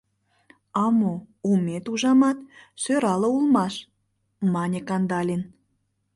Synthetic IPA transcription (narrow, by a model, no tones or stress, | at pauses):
ɑmoumet̪uʒɑmɑt̪søɾɑləulmɑʃ | mɑnʲekɑnd̪ɑlʲin